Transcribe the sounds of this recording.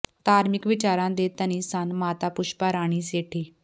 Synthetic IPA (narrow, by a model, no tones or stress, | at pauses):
t̪aːɾmɪkʋɪt͡ʃaːɾãːd̪eːt̪əniːsanmaːt̪aːpʊʃpaɾaːɽ̃iːseːʈʰiː